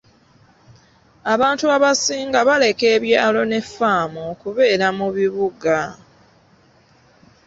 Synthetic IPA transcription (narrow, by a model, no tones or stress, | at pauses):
aβaːntuaβasiːŋɡaβale̞ke̞ːβjaalo̞ne̞faːmokuβe̞ːɾamuβiβuɡa